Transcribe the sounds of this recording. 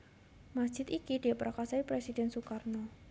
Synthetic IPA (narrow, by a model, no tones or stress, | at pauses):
masd̥ʒ̥ɪt̪ikid̥iapəɾakasaipɾesidɛnsukarnɔ